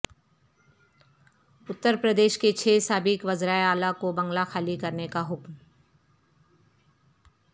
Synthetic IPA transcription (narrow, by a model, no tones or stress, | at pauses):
ʊt̪ːəɾpɾəd̪eːʃket͡ʃʰeːsaːbɪkʋɐzɾaːeaːlakobɐ̃ŋɡlaxaːlikɐɾnekaɦʊkm